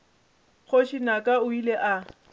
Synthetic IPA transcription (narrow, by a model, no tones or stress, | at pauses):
k͡xʰoʃinakʼaʊileʔa